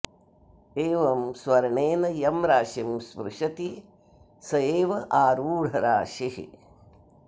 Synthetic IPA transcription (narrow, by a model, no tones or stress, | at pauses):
eːʋɐmsʋɐɾɐɳeːnɐjɐmɾaːʂimspɾɪʂɐt̪i | sɐjeːʋɐʔaːɾuːɽ̤ɐɾaːʂihḭ